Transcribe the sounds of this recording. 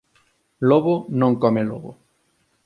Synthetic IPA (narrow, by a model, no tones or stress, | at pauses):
loβonõŋkɔmeloβo̰